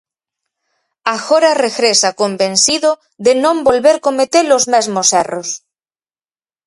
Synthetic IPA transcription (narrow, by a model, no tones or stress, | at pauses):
axoɾareɣɾesakombẽnsiðo | ðenõmbolβeɾkomet̪elozmezmoseros